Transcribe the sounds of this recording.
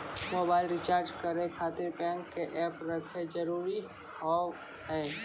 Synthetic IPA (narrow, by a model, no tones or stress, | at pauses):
moːbaːɪlɾɪt͡ʃaːɾd͡ʒkəɾekʰaːt̪ɪɾpɛ̃ːŋkːeʔɛːpɾəkʰed͡ʒəɾuːɾi | hɔː | hɛː